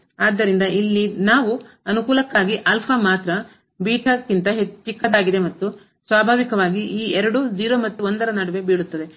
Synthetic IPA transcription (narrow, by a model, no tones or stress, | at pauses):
aːd̪ːɐɾind̪ɐilːinaːʋu | ɐnukuːlɐkːaːɡiʔɐlpʰɐmaːt̪ɾɐ | biːʈʰɐkːint̪ɐɦet͡ʃːt͡ʃːikːɐd̪aːɡid̪e̞mɐt̪ːu | sʋaːbʱaːʋikɐʋaːɡiʔiːɛɾɐɽud͡ʒiːɾomɐt̪ːuond̪ɐɾɐnɐɽɐʋe̞biːɭut̪ːɐd̪e̞